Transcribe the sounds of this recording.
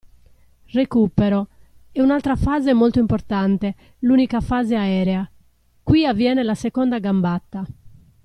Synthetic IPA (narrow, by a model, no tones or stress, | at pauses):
rekupɛɾɔ | ɛunalt̪ɾafaːzemolt̪oimpɔɾt̪ant̪ɛ | luːnikafaːzeaɛːɾɛa | kwiavːjɛːnɛlasɛkɔnd̪aɡambat̪ːa